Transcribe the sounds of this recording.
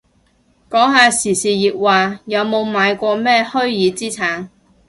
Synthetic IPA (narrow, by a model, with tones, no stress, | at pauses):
kɔː˨˥ŋɦaː˨˧siː˨˩siː˨jiː˨k̚waː˨jɐ˨˧wmo˨˧wmaː˨˧jkʷɔː˧mɛː˥hɵ˥ɥjiː˨˧t͡siː˥t͡sʰaː˨˥ŋ